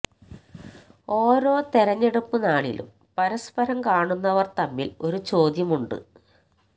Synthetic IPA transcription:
o̞ːɾo̞ːt̪eɾɐɲːe̞ɽupːɨnaːɭḭlṵm | pɐɾɐspɐɾɐmkaːɳunːɐʋɐrt̪ɐmːilo̞ɾut͡ɕo̞ːd̪jɐmuɳɖɨ̰

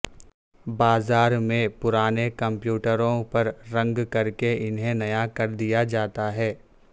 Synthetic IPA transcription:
baːzaːɾmẽpʊɾaːnekɐ̃mpjuːʈəɾõpɐɾɾɐ̃ŋɡkɐɾkeɪnɦẽnɐjakɐɾd̪ijad͡ʒaːt̪aɦɛː

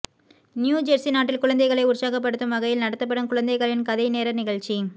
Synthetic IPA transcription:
njuːd͡ʒɐɾsinaːʈːɪlkʊɻɐnd̪ɐɪɣɐɭɐɪʊɾsaːɣɐp̬ːɐɽɯt̪ːɯmʋɐɣɐjɪlnɐɽɐt̪ːɐp̬ːɐɽɯmkʊɻɐnd̪ɐɪɣɐɭɪnkɐðɐɪneːɾɐnɪɣɐɭt͡ʃi

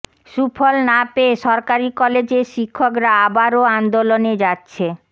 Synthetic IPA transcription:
ʃufolnapeeʃɔɾkaɾikɔled͡ʑeɾʃikʰːokɾaabaɾoand̪oloned͡ʑatːɕʰe

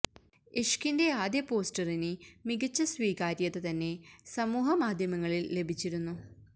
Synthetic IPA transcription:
eʂkinde̞aːd̪jɐpo̞ːsʈɐrinɨmiɡɐt͡ɕːɐsʋiːkaːɾjɐðet̪ɐnːe̞sɐmuːɦɐmaːd̪ʱjɐmɐŋːɐɭilːe̞bʱit͡ɕːiɾunːu

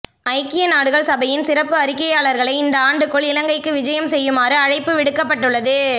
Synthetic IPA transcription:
ɐɪkːɪjɐnaːɽɯɣɐɭsɐbɐjɪnsɪrɐpːɯɐɾɪkːɐjaːɭɐɾɣɐɭɐɪɪnd̪ɐaːɳɖɯkːɔɭɪlɐŋɡɐɪkːɯʋɪd͡ʒɐjɐmsɛjːɯmaːɾɯɐɻɐɪpːɯʋɪɽɯkːɐpːɐʈːɯɭːɐðɯ

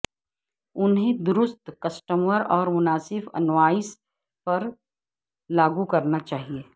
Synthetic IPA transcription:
ʊnɦẽd̪ʊɾʊst̪kɐsʈəmʋəɾɔːɾmʊnaːsɪfɐ̰nʋaːɪs | pɐɾ | laːɡukɐɾnat͡ʃaːɦieː

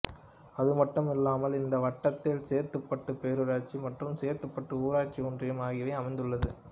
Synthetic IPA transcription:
ɐðɯmɐʈːɯmɪlːaːmɐlɪnd̪ɐʋɐʈːɐt̪ːɪlseːɾt̪ɯpːɐʈːɯpeːɾɯɾaːt͡ʃːimɐʈrɯmseːɾt̪ɯpːɐʈːɯuːɾaːt͡ʃːiɔndrɪjɐmaːɣɪʋɐɪɐmɐɪnd̪ɯɭːɐðɯ

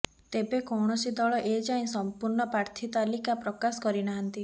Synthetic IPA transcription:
t̪ebekɔwɳ̃ɔsid̪ɔɭɔʔed͡ʒaĩsɔmpuɾɳɔpɾaɾt̪ʰit̪alikapɾɔkasɔ̥kɔɾinaɦɔnt̪i

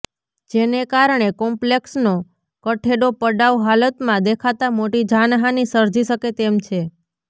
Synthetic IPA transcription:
d͡ʒenekaɾɳekɔmpleksno | kəʈʰeɖopəɖawɦalət̪mãd̪ekʰat̪amoʈid͡ʒanɦanisəɾd͡ʒiʃəket̪emt͡ʃʰe

